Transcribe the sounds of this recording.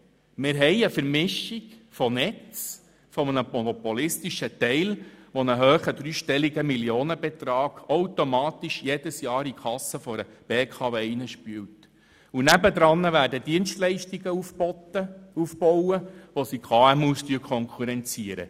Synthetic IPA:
mɪɾɦɛɪəfəɾmɪʃiɡfɔnɛt͡s | fɔmənəmɔnɔpolɪstiʃət̪ɛɪlʋɔnəɦøːχəd̪ɾyːʃtɛliɡəmiljoːnəbet̪ɾɑːɡ̥owtomɑːt̪iʃjed̥əsjɑːɾikʰɑsːəfɔɾəb̥eːkʰɑːveːinəʃpyːwt | unæbəd̪ɾɑnːəʋæːɾdədiənstlɛɪʃtiɡəutəufbɔwəʋosikʰɑːɛmuːstyəkʰɔŋkʰuɾɛnt͡siəɾə̰

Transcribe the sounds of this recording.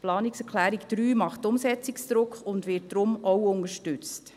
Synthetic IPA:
plɑːnɪksɛɾkʰlæːɾikd̥ɾyːmɑχtʊmsɛt͡sɪksd̪̥ɾʊkχʊndʋɪt̚d̥ɾʊmɔwʊnəʃtʏt͡st

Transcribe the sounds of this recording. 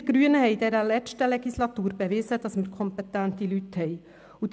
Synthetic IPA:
ɡ̥ɾyənəhɛɪd̪ɛɾəlɛt͡ʃtəlɛɡislɑt̪uːɾbeʋɪsəd̥̪ɑsməɾkʰɔmpɛt̪ːænt̪ilyt̪hɛɪ | ud̪

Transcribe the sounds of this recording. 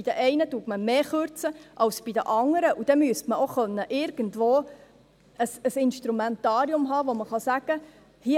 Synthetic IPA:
id̥əʔɛɪnəduətməmeːχøɾt͡səʔɑwsb̥id̪əʔɑŋəɾəʔud̥̪ɛmyəstməoχœnːəʔɪɾɡ̥əntʋoː | əsəsɪnʃtɾumɛnt̪ɑːɾiʊmɦɑːʋoməχɑsæɡ̥ə | hi

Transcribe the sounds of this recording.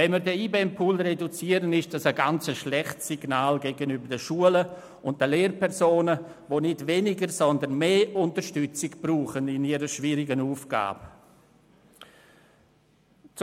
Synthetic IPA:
vɛnmiːɾdɛiːbempʰuːlredut͡siːəɾənɪʃd̥asəɡant͡səʃlɛχtsiɡ̥naːlɡɛɡənybəɾdəʃuələ | ʊnt̚d̥əleːrpɛʁzoːnə | voːnɪdvenɪɡəɾsɔndənmeːʔʊntəɾʃtʏt͡sɪɡb̥ruːχənɪniɾəʃviɾɪɡənuːfɡ̥a̰ːb̥ə | t͡s

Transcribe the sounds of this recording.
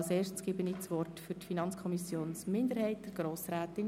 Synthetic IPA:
lseːɾʃtsɡ̥ɪbəniːt͡sʋɔrtfʏɾtfinɑnt͡skʰɔmisjoːnsmɪndəɾhɛɪt̚d̥ɛɾɡ̥ɾoːsɾæːtɪn

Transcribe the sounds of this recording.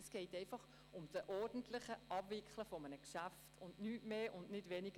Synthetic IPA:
sɡ̥ɛɪtɛɪfɑχ | ʊmdəʔɔrd̥n̩tlɪχəʔɑb̥vɪkʰχləfɔmənəkʃæftʰʊndnyːtmeːʔʊndnɪdʋɛnɪɡ̥ə

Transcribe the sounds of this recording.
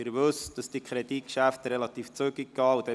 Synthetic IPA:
ɪɾʋøsd̥ɑsd̥ikʰχɾed̪it̚kʃæft̪ɾɛlɑt̪iːft͡søɡɪɡ̥ɑːud̥̪ɛ

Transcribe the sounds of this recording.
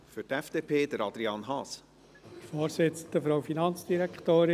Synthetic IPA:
fʏɾtɛfd̥eːpʰeːd̥̪əɾɑd̪̥ɾiɑːnɦɑːs | foːɾsɪt͡sən̩d̪̥əfɾɑʊfinɑnt͡sd̥iɾɛktoːɾɪ

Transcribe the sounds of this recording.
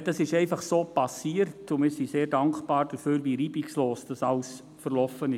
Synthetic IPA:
d̥ɑsɪʃɛɪfɑχsoːpɑsiːərtʊmɪːɾsiseːɾdɑŋkχb̥ɑːɾd̥əfyːɾʋiɾiːbiksloːsd̥ɑsɑls | fərlɔfənɪ

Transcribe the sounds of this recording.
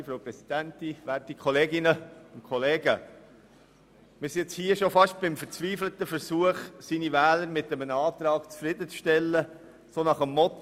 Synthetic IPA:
fɾoʊpɾɛsid̥̪æntiʋætikʰɔleːɡɪnəʊnkʰχɔleːɡə | mɪɾst͡shiːəʃofɑʃt̚b̥ɪmfəɾt͡sʋiːflət̪əfəɾsuəχsiːnivɛːləɾmɪt̪əmənɑːt̪ɾɑːkt͡sfɾɪdət͡sʃtɛlːə | sonɑχəmːɔt

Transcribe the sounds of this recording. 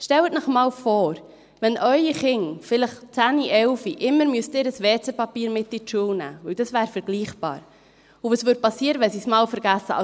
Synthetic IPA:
ʃtɛwətnəχmɑːlfoːɾ | ʋɛnʔœʏiχɪŋfɪləχt͡sæːniʔɛlfiʔɪmːəɾmyəstɪːɾəsʋeːt͡sɛpɑpiːɾmɪtːiʃuəwnæ̰ːvɵld̥ɑsʋæːɾfɛɾɡ̥liːχb̥ɑ̰ːɾ | ʊvosʋʏːd̚pɑsiːəɾəʋɛsiːsmɑːlfəɾɡ̥æsːəɑ̰

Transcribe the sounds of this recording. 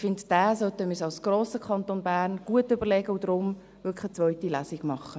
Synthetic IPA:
fɪndd̥æːsœtəmɪsɑlsɡ̥roːsəkʰɑnt̪onbæːʁnɡ̥uətʏbəʁlɛɡəud̥̪ɾʊm | vʏkχət͡sʋœʏtilæːsiɡ̥mɑχə

